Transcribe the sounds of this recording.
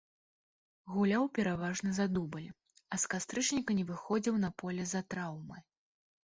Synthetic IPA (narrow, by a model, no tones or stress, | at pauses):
ɣulʲawpʲɛɾavaʐnɨzad̪ubɨlʲ | ɐskast̪ɾɨt͡ʂnʲikɐnʲɛvɨxɔd͡zʲiwnɐpɔlʲɛzat̪ɾawmɨ